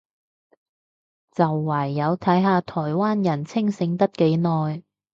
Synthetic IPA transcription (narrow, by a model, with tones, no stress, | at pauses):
t͡sɐ˨wːɐː˨˩jːɐ˨˧wt̪ʰɐ˨˥jɦaː˧t̪ʰɔː˨˩jwaː˥njɐ˨˩nt͡sʰɪ˥ŋsɪ˨˧ŋt̪ɐ˥t̚ke˨˥jnɔː˨j